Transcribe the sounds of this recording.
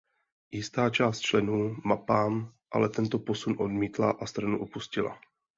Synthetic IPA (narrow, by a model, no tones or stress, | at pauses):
jɪst̪aːt͡ʃaːst̪̚t͡ʃlɛnuːmapaːmʔa̰lɛt̪ɛnt̪o̞po̞sunʔo̞dmiːt̪la̰ʔast̪ɾanuʔopuscɪla̰